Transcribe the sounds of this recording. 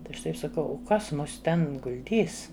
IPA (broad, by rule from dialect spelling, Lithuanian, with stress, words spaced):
tɐɪ ˈɐʃ ˈtɐɪp sɐˈkɐʊ ʊ ˈkɐs ˈmʊs ˈtʲɛn ɡʊlʲˈdʲiːs